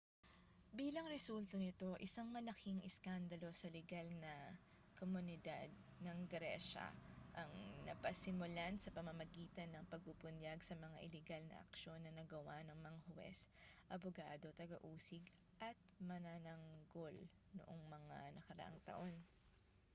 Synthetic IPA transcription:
biːlɐŋɾɛsult̪ɐnɪt̪o̞ʔɪsaŋmɐlɐkʰɪŋʔɛskand̪ɐlo̞sɐlɛɡalnɐ | komʊnɪd̪ad̪̚ | nɐŋɡɾɛʃɐ̰ʔɐŋnɐpɐsɪmʊlansɐpɐmɐmɐɡiːt̪ɐnːɐŋpɐɡ̚pubʊnjaɡsɐmɐŋaʔɪlɛɡalnɐ̰ʔɐ̰kʃo̞nːɐnɐɡɐwanɐŋmɐŋahʊwɛ̰sʔɐboɡaːd̪o̞t̪ɐɡɐʔuːsɪɡ | ʔɐt̪̚mɐnanɐŋɡo̞l | no̰ʔoŋmɐŋa̰nɐkɐɾɐ̰ʔa̰ŋt̪ɐ̰ʔo̞n

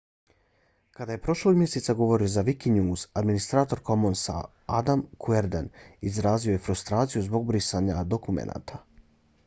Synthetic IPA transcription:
kad̪aje̞pɾo̞ʃloɡmʲje̞set̪saɡo̞ʋo̞ɾio̞zaʋikiɲuːzad̪minist̪ɾaːt̪o̞ɾko̞monsa̰ | ad̪amkʰueɾd̪enizɾaːzioje̞fɾust̪ɾaːt̪sijuzbo̞ɡbɾisaɲad̪o̞kumḛnʔa̰ːt̪ʰa

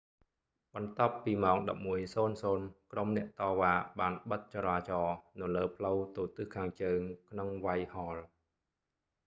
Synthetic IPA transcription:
ɓɑnt̪ŏəpːiːmaɔŋɗɑp̚muəjsoːnsoːnkromnɛ̆əʔt̪ɑːʋaːɓaːnɓət̪̚t͡ɕɑɾaːt͡ɕɑːnɨwləːpʰləwt̪uːt̪ɨhkʰaːŋt͡ɕəːŋkʰnoŋʋajhɑːl

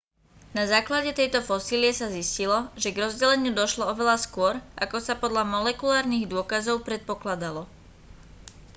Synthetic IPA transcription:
nazaːklaɟɛt̪ɛjt̪ɔfɔsiːliɛsaziscilɔʒɛɡɾɔzɟɛlɛɲɪud̪ɔʃlɔɔʋɛlaskʊɔɾʔakɔsapɔd̪ʎamɔlɛkulaːɾniɣd̪ʊɔkazɔʊpɾɛt̪̚pɔklad̪alɔ

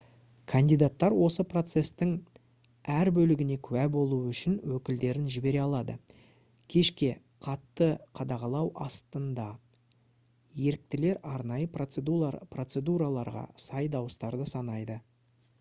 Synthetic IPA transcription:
kʰand̪ijd̪at̪ːɑɾwo̞səpro̞t̪se̞st̪ɪŋ | æɾbɵlɪɡʲɪne̞kʲʰʉwæbo̞lˠuʏʃɪnwɵkʲɪld̪e̞ɾɪnʒɪbe̞ɾe̞ɑlˠɑd̪ə̰ | kʲʰe̞ʃkʲe̞ | qʰɑt̪ːəqʰɑd̪ɑʁɑlˠɑwʔɑst̪ənd̪ɑ | je̞ɾɪk̚t̪ɪle̞ɾɑɾnɑjə | pro̞t̪se̞d̪uɾalˠɑɾʁɑ̰sɑjd̪ɑwəst̪ɑɾd̪əsɑnɑjd̪ə

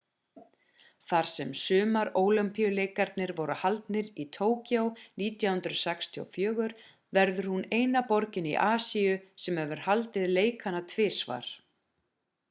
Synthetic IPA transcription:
θaɾ̥sɛmsʏːmaɾoːwlʏmpiʏleːjkaɾt̪̚nɪɾvɔɾʏhalt̪nɪɾit̪ʰoːwcjowniːt̪jawhʏnt̪ɾʏsɛkst̪ʰio̰wfjœːɣʏɾ | vɛɾðʏɾ̥huneːjnapɔɾcɪnḭʔaːsiʏsɛmhɛvʏɾ̥halt̪ɪðleːjkʰanat̪ʰvɪːsva̰ɾ̥

